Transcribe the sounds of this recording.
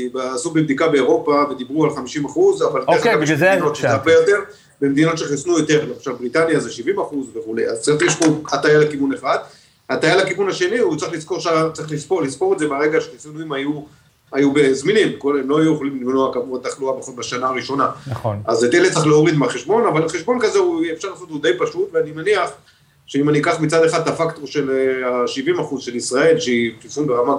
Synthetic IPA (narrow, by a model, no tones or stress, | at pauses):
ibasubebd̪ikabe̞ːʁo̞pave̞d̪ibʁualχamiʃimaχuzavaldeekameeino̞t̪ʃabejot̪eʁ | bemed̪ino̞t̪ʃeχisnujot̪e̞ʁleaʃavbʁit̪anjazeʃivimaχuzveχule̞̰ja̰zt͡saʁiχliʃpoat̪ajalakivuneχad̪ | at̪ajalakivunhaʃe̞niut͡saʁiχlisko̞ʁʃatt͡saʁiχlispolispo̞ʁedzebaʁeɡaʃeχesnuimaju | ajube̞zminimkolemlo̞ajujeχolimlivnoakamuʁat̪aχluabeχolbaʃanaːʁiʃo̞nanazet̪eled̚t͡siχleoʁid̪maχeʃbo̞navalaχeʃbo̞nkazeuefʃaʁlaːsot̪ud̪ejpaʃut̪veanimeniaχ | ʃe̞imaniikaχmit͡sad̪eχad̪afakt̪o̞ʁʃe̞laʃivimaχuzʃe̞lisʁae̞lʃeikisunbeʁama